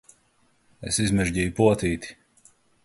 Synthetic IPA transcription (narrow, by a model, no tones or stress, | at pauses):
ḛsizmɛʒɟijupuɔt̪iːt̪i̥